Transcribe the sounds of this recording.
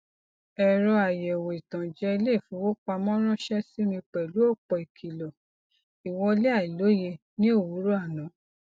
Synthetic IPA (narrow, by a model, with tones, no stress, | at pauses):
ɛ˨ɾɔ˧a˨jɛ˨wo˨i˨tã˨d͡ʒɛ˧˦i˧le˦˨fũ˨˦wo˦k͡pa˧mɔ̃˦ɾ̃ɔ̃˦ʃɛ˦si˦ɾ̃ĩ˧k͡pɛ˨lu˨˦ɔ˦˨k͡pɔ˧i˨kʰi˨lɔ˨ | i˨wɔ˧le˦a˦˨i˨lo˨˦je˧ | nĩ˦o˦˨wu˨˦ɾo˦a˦˨nã˨˦